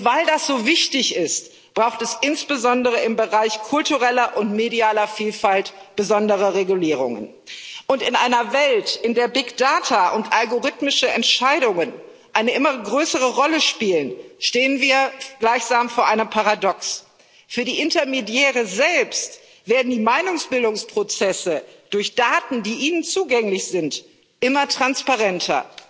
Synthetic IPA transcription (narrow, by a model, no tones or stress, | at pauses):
v̥aɪldasz̥oːvɪçtɪçɪst | b̥ʁaʊxtɛsʔɪnsb̥əzɔndəʁəɪmbəʁaɪçkʰʊltuʁɛlɐʔʊntmediaːlɐfiːlfaltb̥əzɔndəʁəʁeɡuliːʁʊ̰ŋə̰n | ʔʊntɪnʔaɪnɐvɛltʔɪndeːɐbɪkd̥aːtʰaʔʊntʔalɡoʁɪtmɪʃəɛntʃaɪɾʊŋən | ʔaɪnəʔɪmɐɡʁøːsəʁəʁɔləʃpiːlənʃteːənviːɐɡ̥laɪçz̥aːmfoːɐʔaɪnəmpʰaʁadɔks | fyːɐdiːʔɪntɐmedjɛːʁ̞əzɛlpst | v̥eːɐdn̩diːmaɪnʊŋsb̥ɪldʊŋspʁ̥ot͡sɛsəd̥ʊɐçd̥aːtn̩diːʔiːnənt͡suːɡɛŋlɪçz̥ɪnt | ʔɪmɐtʁ̥anspaʁɛntʰɐ̰